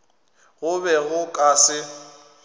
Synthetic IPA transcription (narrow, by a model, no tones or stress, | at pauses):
ɣʊbɛɣʊkʼaːsɪ